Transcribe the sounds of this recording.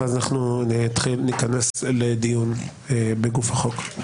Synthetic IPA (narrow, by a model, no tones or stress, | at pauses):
azanaχnut̪χilnikanesled̪ijunebeɡufhaχo̞k